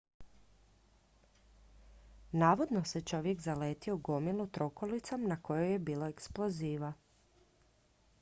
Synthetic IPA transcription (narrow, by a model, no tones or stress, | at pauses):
naːʋo̞d̪no̞se̞t͡ʃo̞ʋje̞kzaleːt̪ioɡo̞milut̪ɾo̞ko̞lit̪samnakʰo̞jojebiːlo̞eksplo̞ziːʋa